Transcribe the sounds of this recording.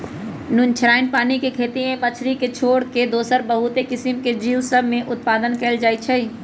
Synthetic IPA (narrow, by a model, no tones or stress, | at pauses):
nʊ̃nt͡ʃʰɾaːɪnpaːnikekʰeːt̪iẽpət͡ʃʰɾiket͡ʃʰoːɽked̪oːsəɾbəɦʊt̪ekɪsəmked͡ʒiːwsəbʱmẽʔʊt̪̚paːd̪ənkɛːld͡ʒaːit͡ʃʰəi